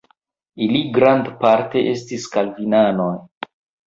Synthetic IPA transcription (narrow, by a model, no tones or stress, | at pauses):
iliɡɾandpaɾte̞ʔe̞stiskalvinano̞j